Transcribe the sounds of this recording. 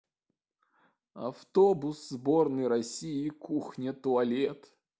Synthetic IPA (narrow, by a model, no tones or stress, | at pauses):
ɐft̪obʊszbornɨəjɾɐsʲijɪkuxnʲət̪ʊɐlʲet̪